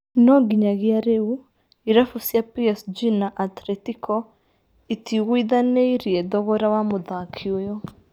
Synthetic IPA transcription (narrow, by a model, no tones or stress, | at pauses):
nɔɡiɲaɣjaɾeu | iɾafusjapiɛsd͡ʒinaʔat̪ɾɛtikʰɔ | itiɣwiðaneiɾiɛðɔɣɔɾawamoðakʰiojɔ